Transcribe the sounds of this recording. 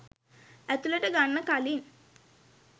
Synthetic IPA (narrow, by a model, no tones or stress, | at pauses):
æt̪uləʈəɡanːəkalin